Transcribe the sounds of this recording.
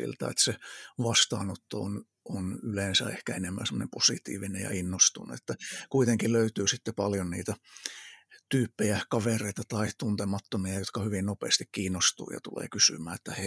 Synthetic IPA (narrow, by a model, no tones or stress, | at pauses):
ḭlt̪æ̰ḛt̪seʋɑst̪ɑ̰ːnot̪ːo̰o̰n | ʔonylensæ̰ehkæenemːæ̰semonemposḭt̪ḭːʋinḛjɑ̰inːost̪unḛet̪ːækuit̪eŋkilløyt̪yːsit̪ːepɑljonnḭːt̪æ | t̪yːpːejækɑʋereit̪ɑt̪ɑit̪unt̪emɑt̪ːomiɑjot̪kɑhyʋinnopḛːst̪ikkiːnːost̪ṵːjɑ̰t̪ulḛːkysy̰mæːet̪ːæhe